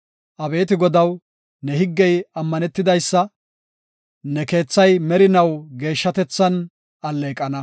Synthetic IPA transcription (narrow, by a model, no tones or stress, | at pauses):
ʔɐbe̞ːt̪ɪɡɔd̪ɐw | nɛhɪɡːɛjɐmːɐnɛt̪ːɪd̪ɐjsːɐ | nɛke̞ːt͡sːɐjmɛɾɪnɐwɡe̞ːʃːɐt̪ɛt͡sːɐn | ɐlːeːkʼːɐnɐ